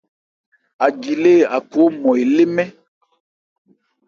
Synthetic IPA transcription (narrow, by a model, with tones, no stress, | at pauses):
a˨d͡ʒi˨le˦˨a˨ko˨˦mɔ̃˨e˨le˦mɛ̃˦